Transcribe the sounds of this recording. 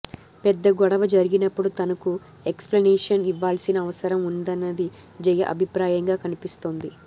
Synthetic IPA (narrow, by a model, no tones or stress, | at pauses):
pɛd̪ːɐɡɔɽɐʋɐd͡ʒɐɾiɡinɐpːuɽut̪ɐnɐku | eksplɐnɛːʂɐniʋːaːlsinɐːʋɐsɐɾɐmund̪ɐnːɐd̪i | d͡ʒɛjɐ̰ʔɐ̰bʱipɾaːjɐŋɡaːkɐnipist̪oːnd̪i